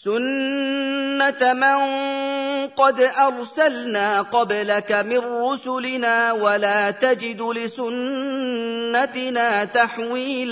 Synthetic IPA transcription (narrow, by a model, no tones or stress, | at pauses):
sʊnː | at̪mɪŋ | qɑd̪ʔɑɾˤsalnaːqɑblakamɪnːʊsʊlɪnaːwalaːt̪ad͡ʒɪd̪lɪsʊnː | at̪ɪnaːt̪aħwiːl